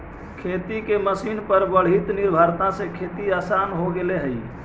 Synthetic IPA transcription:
kʰet̪ikeməsinpəɾbəɽ̤ɦit̪niɾbʱəɾt̪ãsekʰet̪iasanɦoɡeleɦəj

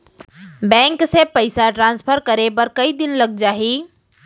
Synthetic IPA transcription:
bɛ̃ːŋksepəɪsaʈɾãːnspʰəɾkɐɾebɐɾkɐid̪ɪnlɐɡ̚d͡ʒaːɦiː

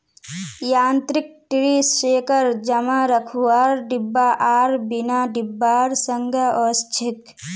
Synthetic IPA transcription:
jaːnt̪ɾik̚ʈɾiseːkəɾd͡ʒəmaɾəkʰuaːɾɖibːaʔaːɾbinaɖibːaːɾsəŋɡʱəɔst͡ʃʰɪk

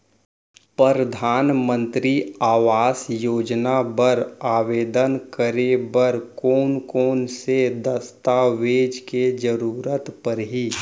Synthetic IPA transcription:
pəɾəd̪ʱaːnmə̃nt̪ɾiaːʋaːsjoːd͡ʒnabəɾaːʋeːd̪ənkəɾebəɾkoːnkoːnsed̪əst̪aʋeːd͡ʒked͡ʒəɾuːɾət̪pəɾɦiː

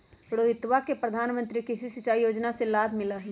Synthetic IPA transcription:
ɽoːɦɪt̪ʋakepɾɐd̪ʱaːnmə̃nt̪ɾikɪsisɪt͡ʃaːijoːd͡ʒnaselaːbʱmɪlaɦɛ

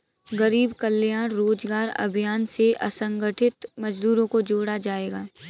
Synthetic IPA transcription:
ɣɐɾiːbkɐlːjaːnɾoːd͡ʒɡaːɾɐ̰bʱijaːnseʔɐ̰sə̃ŋɡəʈʰɪt̪mɐd͡ʒd̪uːɾõkod͡ʒoːɽad͡ʒaːeːɡaː

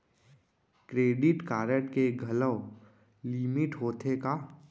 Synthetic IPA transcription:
kɾeːɖɪʈkaːɾəʈkeɡʱələ | limɪʈɦoːt̪ʰeka

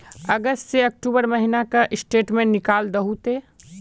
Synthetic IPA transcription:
ɐɡəsʈseɐk̚ʈuːbəɾmɐɦinakaʔɪsʈeːʈmẽnɪkaːld̪ɐɦut̪eː

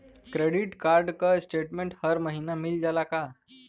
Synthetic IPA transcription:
kɾeɽiʈkaɾɖkəsʈeʈmẽɳʈhəɾməɦinamild͡zalaka

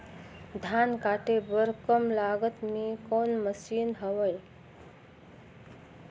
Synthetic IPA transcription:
d̪ʱankaʈebəɾkəmlaɡət̪mikonməsiːnɦəʋəj

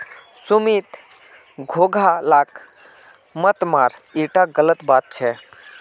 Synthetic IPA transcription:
sumit̪ | ɡʱoɡʱalak | mət̪maɾiʈaɡələt̪bat̪̚t͡ʃʰɛ

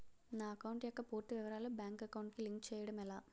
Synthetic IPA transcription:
naːɐkɐwɳʈjɔkːɐpuːɾt̪ːiʋiʋɐɾaːlubjaːŋkɐkɐwuɳʈkiliŋkt͡ʃɛːjɐɽɐmɛlaː

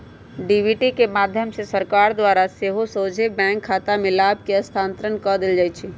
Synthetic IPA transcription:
ɖibiʈikemaːd̪ʱjəmsesəɾkaːɾd̪waːɾaseɦosoːd͡ʒʱebɛ̃ːŋkʰːaːt̪amẽlaːb̚ʱkeɐst̪ʰãːnt̪ɾənkɔd̪ɪld͡ʒaːjt͡ʃʰi

